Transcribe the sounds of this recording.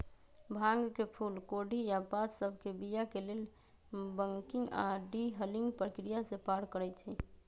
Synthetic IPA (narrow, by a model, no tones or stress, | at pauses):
bʱãŋɡkepʰulkoɖʱijapat̪səbʱkebijakelel | bəŋkiŋɡa̰ɖiɦəliŋɡpɾəkɾijasepaɾkəɾɛt̪ʰi